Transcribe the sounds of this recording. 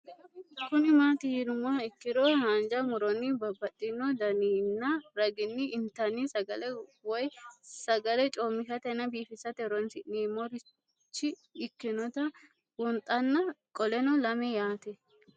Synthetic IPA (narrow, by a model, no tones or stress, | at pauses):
kʊnɪmaːt̪ɪɪnʊmːaɪkːɪɾɔhand͡ʒɐmʊɾɔnːɪbɐbːɐt̪ʼːɪnːɔd̪ɐniːnːɐɾɐɡɪnːɪːnt̪ɐnːɪsɐɡɐlɛwɔjsɐɡɐlɛt͡ʃʼoːmːɪkɐt̪ɛnːɐbiːfɪsɐt̪ɛɾɔnsɪʔniːmɔɾɪ | t͡ʃːɪː | kːɪnɔt̪ɐ | wʊnt̪ʼːɐnːɐkʼɔlɛnɔlɐmɛjaːt̪ɛ